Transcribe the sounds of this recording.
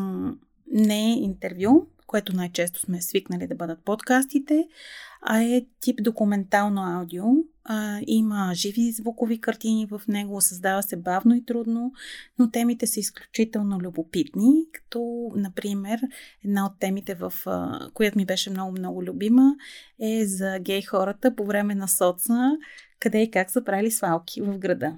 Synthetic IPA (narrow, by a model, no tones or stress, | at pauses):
nɛint̪ɛɾvjukoɛt̪ʊnajt͡ʃɛst̪o̥smɛsviknəlid̪ɐbɤd̪ət̪̚pot̪kast̪it̪ɛɐ̰ɛt̪ipd̪okumɛnt̪alˠnoawd̪io | iməʒivizvukovikɐɾt̪inivəfnɛɡosɐzd̪avəsɛbavnoit̪ɾud̪nonot̪ɛmit̪ɛsəisklʲu̥t͡ʃit̪ɛlˠnolʲubopit̪nikɐ̥t̪ɔnɐpɾimɛɾɛd̪naot̪ːɛmit̪ɛvəfkojat̪omibɛʃɛmnɔɡʊmnɔɡʊlʲubiməɛzɐɡɛjxɔɾət̪əpovɾɛmɛnɐsɔt̪səkɐd̪ɛikaksəpɾailisvalˠkʰivəvɡɾɐd̪ɤ